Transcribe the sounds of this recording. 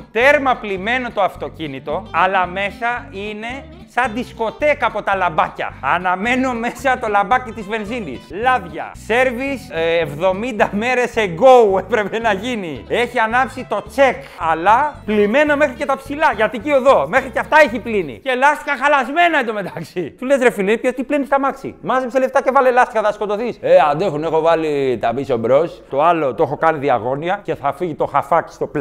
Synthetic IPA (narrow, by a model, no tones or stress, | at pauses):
t̪e̞ɾmɐplime̞no̞t̪oɐft̪o̞cinit̪o̞ɐlɐme̞sɐine̞ | sɐnd̪isko̞t̪e̞kɐpo̞t̪ɐlɐbɐcɐ̰ɐnɐme̞no̞me̞sɐt̪o̞lɐmbɐcit̪izve̞nzinḭslɐvʝɐ̰se̞ɾvisevðo̞mind̪ɐme̞ɾe̞seɡo̞uepɾe̞pe̞nɐʝinḭe̞çiɐnɐpsit̪o̞t͡se̞kɐlɐplime̞nome̞xɾice̞t̪ɐpsilɐʝɐt̪icioðo̞me̞xɾiceɐft̪ɐeçiplinḭce̞lɐst̪ixɐxɐlɐzme̞nɐed̪ome̞t̪ɐksit̪ulezɾefilinipçost̪iplinist̪ɐmɐksḭmɐzipsele̞ft̪ɐce̞vɐlelɐst̪ixɐðɐsko̞t̪o̞θiseɐnd̪exune̞xo̞vɐlit̪ɐbisobɾo̞st̪o̞ɐlo̞t̪oexo̞kɐniðiɐ̰ɣo̞niɐce̞θɐfiʝit̪o̞xɐfɐkst̪o̞pl